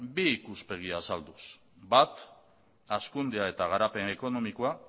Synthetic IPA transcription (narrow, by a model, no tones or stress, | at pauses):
biːkuspe̞ɣ̞iaːsald̪us | bat̪ | askund̪eae̞t̪aɣ̞aɾape̞ne̞ko̞no̞mikoa